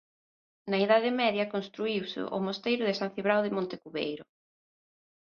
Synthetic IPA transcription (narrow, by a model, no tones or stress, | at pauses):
nɐeðaðɪmɛðjɐkonst̪ɾuiwsɪ̰ʔʊ̰most̪ejɾʊðɪsãn̟θiβɾawðɪmõnt̪ɪkuβḛjɾʊ